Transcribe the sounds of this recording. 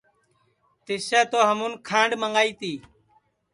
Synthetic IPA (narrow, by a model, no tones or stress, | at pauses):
t̪ɪseːt̪oːɦəmuːnkʰãːɳɖməŋaːiːt̪iː